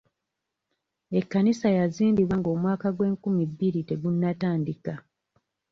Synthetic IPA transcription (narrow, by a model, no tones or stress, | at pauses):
e̞kːanisajaziːndiβwaŋɡo̞ːmwaːkaɡwe̞ːŋkumibːiɾite̞ɡunːataːndika